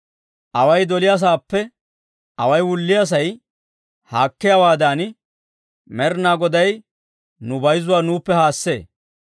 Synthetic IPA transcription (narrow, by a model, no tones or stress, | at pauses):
ʔɐwɐjd̪ɔlɪjas̬aːpːɛ | ɐwɐjwʊlːɪjas̬ɐj | haːkːɪjawaːd̪aːn | mɛɾnaːɡɔd̪ɐj | nʊbɐjzʊwaːnuːpːɛhaːsːḛː